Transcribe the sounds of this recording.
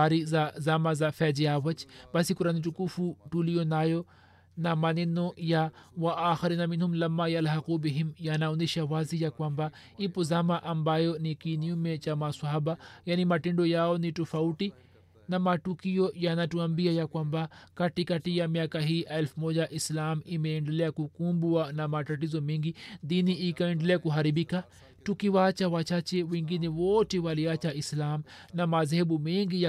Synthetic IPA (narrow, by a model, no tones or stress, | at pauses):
aɾizazamazafɛd͡ʒiawɐt͡ʃbɐsikʊɾanit͡ʃukufuʈulijonaːjo | namaninojawaʔaːxɐɾiːnamɪnhʊmlɐmːajɐlɦɐqubɪɦɪmjanaund̪iʃawaːzijakwamba | ipuzamaʔɐmbaːjonikinijumet͡ʃamasaɦaːbajanimaʈɪɳɖojaːoniʈufawʈi | namatukiɔjanatuambiajakwambakatikatijamiakaɦiːɛlfumɔʄaʔislamimɛɛndɛlɛakukumbuanamatatizɔmiŋɡiðiniːkaɛndɛlɛakuɦaɾiɓika | tukiwat͡ʃawat͡ʃat͡ʃɛwɛŋɡinɛwɔtɛwaliat͡ʃaislamnamaðhɛɓumiŋɡija